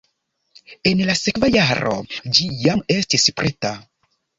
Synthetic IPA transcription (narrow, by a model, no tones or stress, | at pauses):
enlasekvajaɾo̰d͡ʒijame̞stispɾʔeta